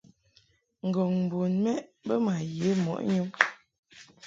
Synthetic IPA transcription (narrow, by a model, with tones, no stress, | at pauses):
ŋ̩˨ɡo˨ŋm̩˨bo˨nmɛ˦bə˦ma˨je˨˦mɔ̰˨ʔɲu˦m